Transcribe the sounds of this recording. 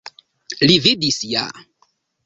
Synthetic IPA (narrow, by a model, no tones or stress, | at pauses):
lividisja̰